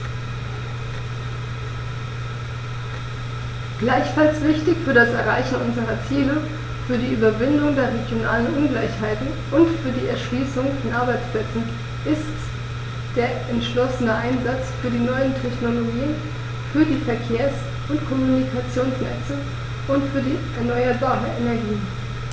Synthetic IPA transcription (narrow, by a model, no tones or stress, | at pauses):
ɡ̥laɪçfalsv̥ɪçtɪçfyːɐdasɛɐʁ̞a̰ɪçn̩ʔʊnzəʁ̞ɐt͡siːlə | fyːɐdiːʔyːbɐvɪndʊŋdeːɐʁeɡjona̰ːlənʔʊnɡlaɪçhaɪtn̩ | ʔʊntfyːɐdiːɛ̰ɐʃliːsʊŋfɔnʔaɐbaɪt͡spl̥ɛt͡sn̩ | ʔɪst | d̥eːɐʔɛntʃlɔsənəʔaɪnzat͡sfyːɐdiːnɔʏəntʰɛçnoloɡiːən | fyːɐdiːfɛɐkʰeːɐs | ʊntkʰɔmunikʰat͡sjoːnsnɛ̰t͡sə | ʔʊntfyːɐdiːʔɛɐnɔʏɐbaːʁəʔenɛɐɡiːən